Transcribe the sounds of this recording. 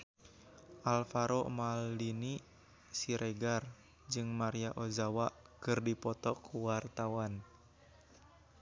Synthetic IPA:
ʔalfaɾomaldini | siɾʔeɡar | d͡ʒɨŋmaɾiaʔozawakɨrdipɔt̪ɔkʰuwart̪awan

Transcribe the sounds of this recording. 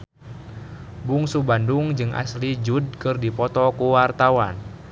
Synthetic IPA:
buŋsubanduŋd͡ʒɨŋʔa̰slid͡ʒud̚kɨrdipɔt̪ɔkuwart̪awan

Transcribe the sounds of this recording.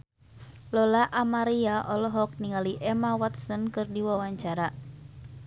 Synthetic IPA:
lɔlaʔamaɾiaʔɔlɔɦɔk̚niŋaliʔɛmawat̪sɔnkɨrdiwawaɲt͡ʃaɾa

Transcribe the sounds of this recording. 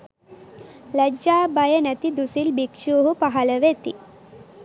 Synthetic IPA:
lɐd͡ʒaːbɐjɐnɐt̪id̪usilbikʂuːɦupɐɦɐlɐʋet̪ḭ

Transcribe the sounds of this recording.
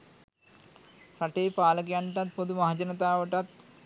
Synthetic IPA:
sɐʈeːpaːlɐɡjaɳʈɐt̪̚pod̪umɐɦɐd͡ʒɐnɐt̪aːʋɐʈɐt̪

